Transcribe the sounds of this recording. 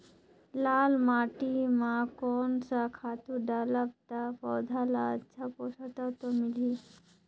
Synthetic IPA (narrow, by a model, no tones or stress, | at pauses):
lalmaʈimakɔnsakʰat̪uɖalapt̪apɔwd̪ʱalaətːt͡ɕʰapɔsat̪at̪ɔmili